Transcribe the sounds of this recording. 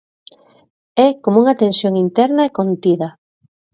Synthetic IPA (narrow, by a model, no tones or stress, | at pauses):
ɛkomuŋɐt̪ensjoŋint̪ɛɾnɐekont̪iðɐ